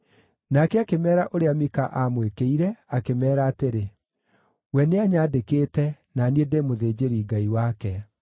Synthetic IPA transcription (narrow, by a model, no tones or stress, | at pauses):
nakɛakemɛːɾaʔoɾeamikaʔamwekeiɾɛakemɛːɾaːteɾe | wɛneaɲaːdekeːtɛ | naniedemoðeːd͡ʑeɾiːɡaiwakɛ